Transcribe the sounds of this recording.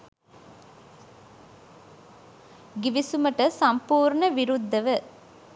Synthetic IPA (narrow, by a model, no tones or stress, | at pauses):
ɡiʋisuməʈəsɐmpuːɾɳəʋiɾud̪ʱːəʋə